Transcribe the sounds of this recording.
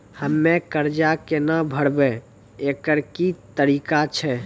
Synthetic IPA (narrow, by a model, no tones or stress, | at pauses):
həmːekəɾd͡ʒakenəbʱəɽbɛ | ekəɾkit̪əɾikat͡ʃʰɛ